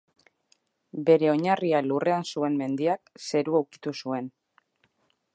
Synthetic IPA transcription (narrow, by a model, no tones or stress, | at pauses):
be̞ɾe̞o̞ɲarialure̞ansue̞nme̞nd̪iakse̞ɾuawki̥t̪usue̞n